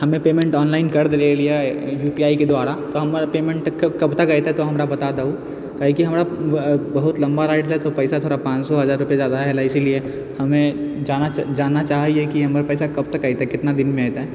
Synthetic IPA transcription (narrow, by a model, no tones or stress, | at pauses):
hɐmẽpeːmẽɳʈɔːnlaːɪnkɐɾd̪eɾeːlijajuːpiaːiked̪waːɾat̪oɦɐmɾpeːmẽɳʈkkɐbt̪ɐkaɪt̪aɦɛt̪oɦɐmɾabɐt̪ad̪au | kaːikiɦɐmɾabɐɦʊt̪lɐ̃mbaɾaːɪʈlɦɛt̪opɛɪsat̪ʰoːɾɽapãːt͡ʃsɔɦɐzaːɾːʊpijezjaːd̪aɦɛːlaɪsilie | hɐmẽd͡ʒaːnad͡ʒaːnːat͡ʃaːɦiɦekiɦɐmɾapɛːsakɐb̚t̪ɐkɐɪt̪aɦɛkɪt̪nad̪ɪnmẽaːjt̪aɦɛ